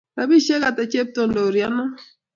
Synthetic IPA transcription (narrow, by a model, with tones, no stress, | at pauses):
ka˨bi˦ʃe˦ka˨tɛ˨t͡ʃe˦p̚to˨ndo˨ɾja˦nɔ˦